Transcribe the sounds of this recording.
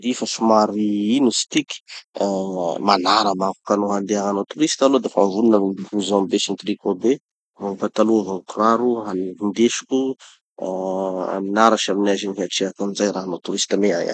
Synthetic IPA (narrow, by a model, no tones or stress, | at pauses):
d̪ifəsimaɾiinusi̥t̪ikʲi̥ | malaɾəmaku̥kanoɦand̪eaŋanot̪uɾist̪alod̪efaɱvuninamiuzɔ̃besint̪ɾikobe | vapat̪aluvakuraɾuanind̪eʃu̥kʲu | a̰minaɾaʃaminaziniɦiaʈ͡ʂeakunizajɾaɦanot̪uɾist̪amea̰ja̰